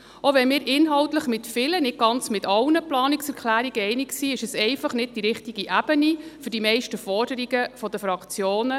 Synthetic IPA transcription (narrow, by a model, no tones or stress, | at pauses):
oʋɛnmɪːɾʔɪnɦɑwtləχmɪtfɪlənɪt̚ɡ̥ɑnt͡smɪtɑlnəplɑːnɪksɛɾkʰlæːɾiɡəɛɪnɪksiːɪʃəsɛɪfɑχnɪd̚d̥iɾɪχtiɡiʔæb̥ənifʏɾdimɛɪʃtəfɔrdəɾiɡəfɔdəfɾɑkt͡sjoːnə